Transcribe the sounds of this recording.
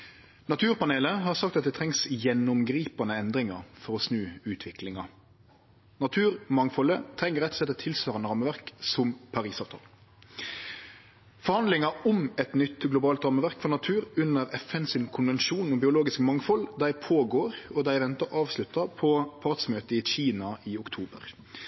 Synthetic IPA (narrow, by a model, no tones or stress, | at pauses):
nɑt̪ʰʉːʁpɑneːləɦɑʁsɑkt̪ɑt̪̚d̪ɛt̪ʰɛŋsjɛnːʊmɡɾiːpɑnəɛnd̪ɾɪŋɑɾfɔʁɔsnʉːʉːt̪ʰʋɪklɪŋɑ | nɑt̪ʰʉːʁmɑŋfɔlət̪ʰɾɛŋːəɾɛt̪ɔ̥slɛt̪ːɔt̪ʰɪlsʋɑːʁənəʁɑmːəʋæʁksɔmpʰɑʁiːsɑːʋt̪ʰɑ̰ːl | fɔɾhɑnd̪lɪŋɑʊmɛt̪nʏt̪ɡlʊbɑːlt̪ɾɑməʋæʁkfɔʁnɑt̪ʰʉːɾʉnːəɾɛfɛnsɪnkʰʊnʋɛnʃuːnɔmbɪʊloːɡɪskmɑŋfɔld̪æɪpʰoːɡoːɾɔd̪æɪʋɛnt̪ɑɾɑːʋslʉt̪ːɑpʰɔpʰɑɾt̪smøːt̪əɪɕiːnɑʔɪʊkt̪ʰuːbə̰ʁ